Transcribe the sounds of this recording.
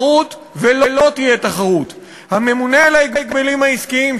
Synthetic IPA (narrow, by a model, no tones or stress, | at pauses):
ut̪ | vele̞lo̞t̪ijet̪aχaʁut̪ | hame̞munelaiɡiɡ̚belimhaiskiim